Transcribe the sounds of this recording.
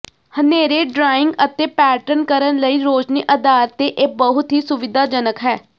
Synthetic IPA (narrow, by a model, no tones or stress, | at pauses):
həneːɾeːɖɾaːɪ̃ŋɡət̪eːpɛːʈənkəɾənləiːɾoːt͡ʃniːʔəd̪aːɾət̪ːeːʔebəɦʊt̪ɦiːsʊʋɪd̪aːd͡ʒənəkɦɛː